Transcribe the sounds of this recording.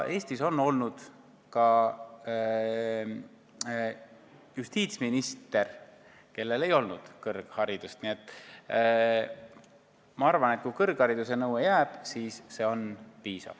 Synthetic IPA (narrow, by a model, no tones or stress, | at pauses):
ʔe̞ːst̪iso̞nːo̞lnud̪̥ | kɑ | just̪iːt̪sminist̪e̞r | ke̞lːe̞le̞jo̞lnud̪̥kɤrɡ̥hɑɾid̪ust̪niet̪ˑː | mɑɑrvɑne̞t̪̚kujkɤrɡ̥hɑɾid̪̥us̬enɤwejæːb̥siːsːe̞o̞npiːsɑ̰v̥